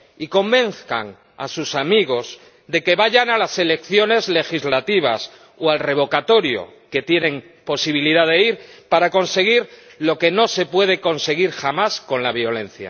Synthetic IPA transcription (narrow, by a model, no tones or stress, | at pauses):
iko̞mbe̞nθka̰ŋ | a̰susamiɣ̞o̞z | d̪e̞ke̞βaʝaŋalase̞le̞kθjo̞ne̞zle̞xizlat̪iβ̞a̰s | oalre̞β̞o̞kat̪o̞ɾjo̞̰ke̞t̪je̞nẽ̞ŋ | po̞siβ̞iliðaðe̞iɾpaɾako̞nse̞ɣ̞iɾlo̞ke̞no̞se̞pwe̞ð̞e̞ko̞nse̞ɣiɾxamasko̞nlaβjo̞le̞n̟θja̰